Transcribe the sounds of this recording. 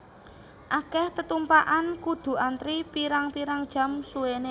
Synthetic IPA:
ʔakɛht̪ət̪umpaʔankud̪̥ṳant̪ɾipiɾaŋpiɾaŋd̥ʒ̥a̤msuwene

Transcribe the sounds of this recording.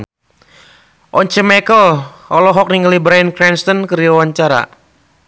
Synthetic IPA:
ʔɔɲt͡ʃɛmakəl | ɔlɔɦɔk̚niŋɡalibɾankɾɛnst̪ɔnkɨɾiawaɲt͡ʃaɾa̰

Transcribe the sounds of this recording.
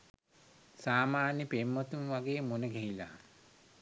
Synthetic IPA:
saːmaːnjəpemːot̪unʋaɡeːmonəɡɛɦila̰

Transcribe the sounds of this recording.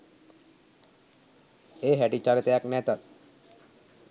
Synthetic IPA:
eːɦæʈit͡ʃaɾet̪əjaknɛt̪at̪

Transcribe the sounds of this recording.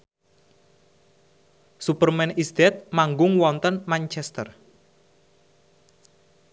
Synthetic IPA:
supərmɛnisd̪ɛt̪̚maŋɡʊŋwɔnt̪ənmant͡ʃɛst̪ər

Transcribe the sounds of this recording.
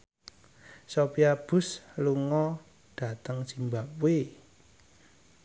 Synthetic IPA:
sopiab̥ʊ̤sluŋɔ | ɖ̥ä̤t̪əŋsimbapwe

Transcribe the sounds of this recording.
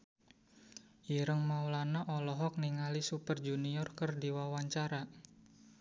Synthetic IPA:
iɾəŋmaulanaʔɔlɔɦɔk̚niŋalisupərd͡ʒuniɔrkərdiwawaɲt͡ʃaɾa

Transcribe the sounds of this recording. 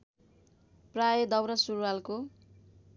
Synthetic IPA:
prajed̪ʌwɾʌsurwalko

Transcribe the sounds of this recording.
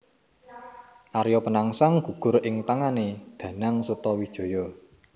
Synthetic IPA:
ʔaɾjɔpənaŋsaŋɡ̥ṳɡ̥ʊ̤ɾɪŋt̪aŋaned̪̥ä̤naŋsut̪ɔwid̥ʒ̥o̤jɔ

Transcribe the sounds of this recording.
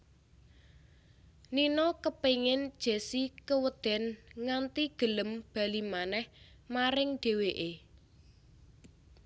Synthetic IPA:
ninɔkəpeŋɪnd̥ʒ̥e̤sikəwəd̪̥ɛ̤nŋant̪iɡ̥ə̤ləmb̥ä̤limanɛh | maɾɪŋɖ̥e̤weʔe

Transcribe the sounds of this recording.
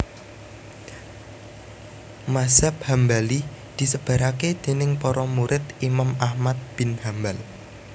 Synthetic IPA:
maz̥ap̚hambali | d̪̥i̤səb̥a̤ɾaked̪̥e̤nɪŋpɔɾɔmuɾʔɪt̪imamahmat̪̚b̥ɪ̤nhambal

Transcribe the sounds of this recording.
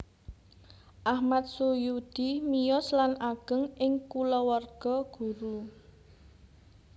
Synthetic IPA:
ʔahmat̪̚sujud̪̥imijɔslanaɡ̥ə̤ŋʔɪŋkulɔwɔrɡ̥ɔ̤ɡ̥ṳɾu

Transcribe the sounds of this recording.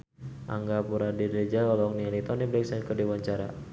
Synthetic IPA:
ʔa̰ŋɡapuɾadidɛd͡ʒaalɔŋnialit̪ɔnibɾɛk̚sɛnkədiwaɲt͡ʃaɾa̰

